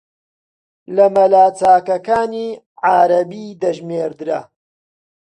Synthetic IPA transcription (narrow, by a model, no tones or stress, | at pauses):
lɐmɐlaːt͡saːkɐkaːniː | ʕaːɾɐbiːd̪ɐʒmeːɾd̪ɨɾɐ